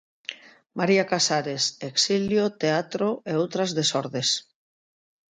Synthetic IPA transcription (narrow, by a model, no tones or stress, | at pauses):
maɾiakasaɾeseksiljot̪eat̪ɾoʔeowt̪ɾazðesɔɾðes